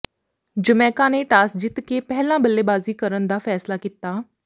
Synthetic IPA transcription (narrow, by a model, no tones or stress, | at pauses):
d͡ʒəmɛːkãːneːʈaːsd͡ʒɪt̪keːpɛɦlãːbəlːeːbaːziːkəɾənd̪aːfʰɛːslaːkit̪aː